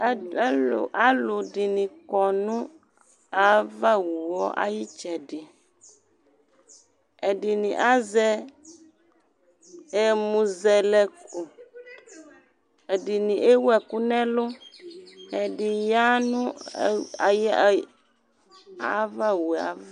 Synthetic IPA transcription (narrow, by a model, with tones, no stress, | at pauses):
ʔa˦lʊ˨dɪ˨nĩ˨kɔ˨nʊ̃˦ | a˨va˦wu˨wɔ˦ʔa̰˦ji˦t͡ʃɛ˨dɪ˨ | ɛ˨dɪ˨nḭ̃˨ʔa˦zɛ˦ | ɛ˨mũ˨zɛ˨lɛ˨kʊ˨ | dɪ˨nĩ˨ʔe˦wɛ˨kʊ˦nɛ̃˦lʊ˦ | ɛ˨dɪ˨ja˦nʊ̃˦ | a˨j | a˨˦va˦wu˨a̰˨v